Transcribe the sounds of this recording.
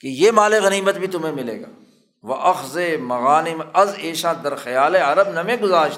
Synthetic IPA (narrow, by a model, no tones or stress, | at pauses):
kejeːmaːleɣɐniːmət̪bʱit̪ʊmẽmɪlḛːɡa̰ː | ʋɐʔɐxzemɐɣaːnɪmɐzeːʃãːd̪ɐɾxɐjaːleɐɾəbnɐmẽɡʊzaːɾʃ